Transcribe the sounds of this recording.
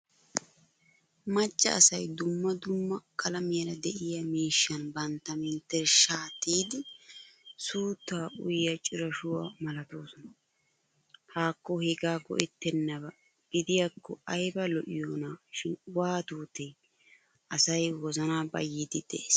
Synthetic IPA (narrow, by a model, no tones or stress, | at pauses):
mɐt͡ʃːɐ̰ɐsɐjd̪ʊmːɐd̪ʊmːɐkʰɐlɐmɪjɐɾɐd̪ɛʔɪjɐmiːʃːɐnbɐnt̪ːɐmɪnt̪ːɛʃaːt̪ːiːd̪ɪ | suːt̪ːaːʊjɪjɐt͡ʃʼɪɾɐʃʊwaːmɐlɐt̪o̞ːsɔnɐ | haːkːɔhɛɡaːɡɔ̰ʔɛt̪ːɛnːɐbɐ | ɡ̥ɪd̪ɪjakːɔɐjbɐlɔʔɪjonaːʃɪnwaːt̪uːt̪ɛj | ʔɐsɐjwɔzɐnaːbɐ̰jːid̪ɪd̪̥ɛ̰ʔeːs